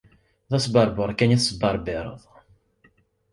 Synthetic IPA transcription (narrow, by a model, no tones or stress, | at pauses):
ðæsbɑɾˤbəɾˤkæniθsbɑɾˤbɪɾˤə̰ðˤ